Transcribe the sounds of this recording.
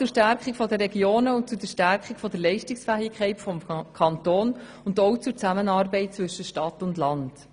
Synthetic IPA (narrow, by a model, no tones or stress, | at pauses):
t͡sʊɾʃtæɾkχikfɔdəɾɛɡjoːnəʊnt̚t͡sʊdɛʃtæɾkχikfɔdəɾlɛɪʃtɪksfæːɪkʰχɛɪtfɔmkʰɑntoːn | ʊndɔʊt͡sʊɾt͡sæmənɑːɾbɛɪt̚t͡svʏʃəʃtɑtʊndlɑnd̥